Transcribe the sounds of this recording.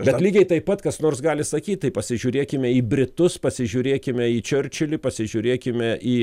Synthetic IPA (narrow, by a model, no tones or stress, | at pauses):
bʲɛlʲiːɡʲɛɪt̪ɐɪppɐt̪kɐsnoːrsɡɑːlʲɪsɐkʲiːt̪̚ʲt̪ɐɪpɐsʲɪʒʲuːɾʲeːkʲɪmʲɛiːbʲɾʲɪt̪ʊspɐsʲɪʒʲuːɾʲeːkʲɪmʲɛiːt͡ʃʲʊrʲt͡ʃʲɪlʲɪːpɐsʲɪʒʲuːɾʲeːkʲɪmʲɛʔiː